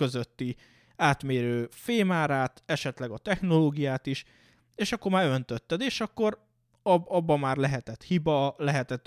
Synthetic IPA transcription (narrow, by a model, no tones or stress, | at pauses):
ø̞zøt̪ːi | aːt̪meːɾøːfeːmaːɾaːt̪ɛʃɛt̪lɛɡɒt̪ɛxno̞loːɡijaːt̪iʃ | eːʃɒkːo̞rmaːɾønt̪øt̪ːɛd̪eːʃɒkːo̞ɾ | ɒbɒbːɒmaːrlɛɦɛt̪ɛt̪hibɒlɛɦɛt̪ɛt̪ː